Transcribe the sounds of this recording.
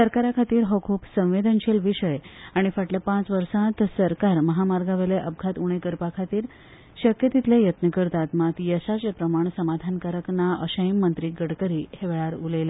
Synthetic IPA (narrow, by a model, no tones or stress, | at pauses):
səɾkaɾakʰat̪iːɾɦɔkʰuːpsə̃w̃ʋed̪ənɕelʋiɕəjaɽ̃ifəʈləpãt͡sʋəɾsãt̪səɾkaɾməɦamaɾɡaʋeleʔəb̚ɡʱat̪uɽ̃ekəɾpakʰat̪iːɾ | ɕəkjət̪it̪lejət̪nəkəɾt̪at̪mat̪jəsat͡sepɾəmaɳ̃səmad̪ʱankaɾəknaʔəɕəjimːənt̪ɾiːɡəɽkəɾiːheʋɭaɾulele